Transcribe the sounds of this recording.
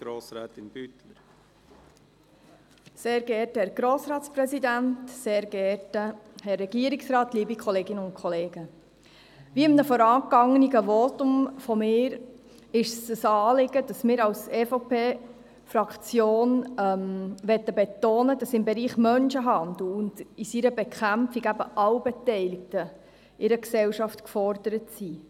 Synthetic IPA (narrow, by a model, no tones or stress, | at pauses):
ɡ̥ɾoːsɾɛːt̪ɪnbytləɾ | seːɾɡ̥ɛːtəhɛɾɡ̥ɾoːsɾɑːtsprɛsid̪æntseːɾɡ̥ɛɾtəhɛrːɛɡ̥iːəɾɪksrɑːt̪liːbikʰχɔleːɡɪnəʊntkʰɔleːɡ̥ə | ʋiːɪmnəfɔɾɑːkɑŋəniɡəʋoːt̪ʊmfɔmɪːɾ | ɪʃsəsɑːlɪɡ̥əd̥ɑsmɪːɾɑwsɛfopeː | fɾɑkt͡sjoːnɛmʋɛt̪ːəbɛtoːnədɑsɪmbɛɾiːχmœnʃəɦɑnd̥̪l̩ʊnd̥isiɾəbɛkʰæmfiɡæbəʔɑwbɛtɛɪlɪk̚tə | ʔɪɾəksɛwʃɑftkfɔɾd̥əɾətsi